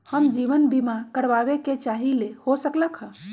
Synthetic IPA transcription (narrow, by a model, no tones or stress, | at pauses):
həmd͡ʒiʋənbimakəɾbabeket͡ʃaɦilehosəkləkɦə̃